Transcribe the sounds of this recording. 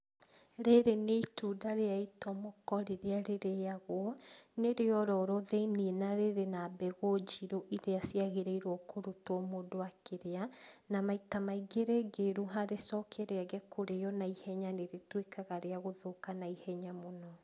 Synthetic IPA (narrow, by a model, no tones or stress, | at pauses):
ɾeɾeneitudaɾeaitɔmokɔɾeɾeaɾeɾejaɣwɔneɾeɔɾɔɾoðeinienaɾeɾenabɛɣod͡ʒiɾoʔiɾeasiaɣeɾɛiɾwɔkoɾutwɔmodoakeɾeanamaitamaiɡeɾeɡeɾuɦaɾesɔkʰɛɾeaɡɛkoɾejɔnaihɛɲaneɾetwekaɣaɾeaɣoðokanaihɛɲamonɔ